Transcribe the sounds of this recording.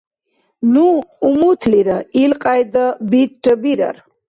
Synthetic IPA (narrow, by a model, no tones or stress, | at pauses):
nuːmut̪ʰliɾəilqʼajd̪əbik̚ʈʼəbiɾə̰ɾ